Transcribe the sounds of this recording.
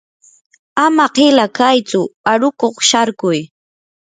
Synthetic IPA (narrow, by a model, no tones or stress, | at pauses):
amaqɪlakajt͡sʊaɾʊkoχʃaɾkʊj